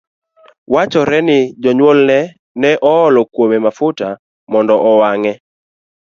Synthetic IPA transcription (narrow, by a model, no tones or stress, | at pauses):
wat͡ʃɔɾɛnɪd͡ʒɔɲwolnɛ | nɛʔɔːlɔkwomemafʊta | mɔndɔʔɔwaŋɛ